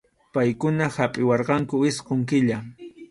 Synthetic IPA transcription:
pajkʊnahapʼɪwɑɾqɑŋkʊɪsqoŋkɪʎa

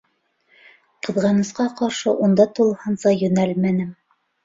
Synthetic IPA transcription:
qɤ̆ðʁɑnɤ̆sqɑqɑɾʃɤʔund̪ɑt̪ulˠhɤnsɑjɵ̆nælmænɘm

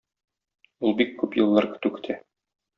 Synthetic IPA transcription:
ulˠbikːʉpjɤ̆lˠːɑɾkɘ̥̆t̪ʉkɘ̥̆t̪ʰæ

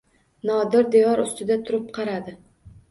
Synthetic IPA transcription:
nɒd̪ɪɾd̪ejɒɾʊst̪ɪd̪at̪ʰʊɾɪp̚qʰɑɾad̪ɪ

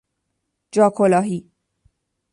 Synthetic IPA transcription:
d͡ʒɒːkʰolɒːɦi

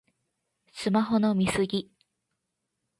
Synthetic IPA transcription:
sɨmaɦo̞no̞mʲisɨɡʲi

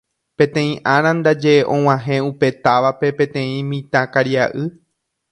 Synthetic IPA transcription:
pẽt̪ẽ̞ĩʔaɾ̃ãnd̪ad͡ʒe̞ʔõw̃ãɦẽ̞upe̞t̪aʋape̞pẽ̞t̪ẽ̞ĩmĩt̪ãkaɾiaʔɨ

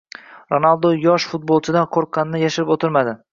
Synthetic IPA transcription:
ɾonalˠd̪ojɒʃfʊt̪̚bolˠt͡ʃʰɪd̪anqʰoɾqʰːɑnnɪjaʃɪɾɪpot̪ʰɪɾmad̪ɪ

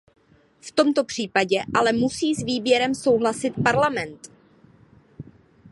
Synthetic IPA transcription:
ft̪o̞mt̪o̞pr̝̥iːpaɟɛʔalɛmusiːzviːbjɛɾɛmso̞wɦlasɪt̪paɾlamɛnt̪

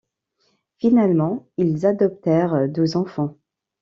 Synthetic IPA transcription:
finalmɑ̃ilzad̪ɔp̚t̪ɛʁd̪øzɑ̃fɑ̃

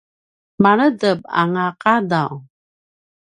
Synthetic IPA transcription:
maɾədəb̚a̰ŋaqadaw

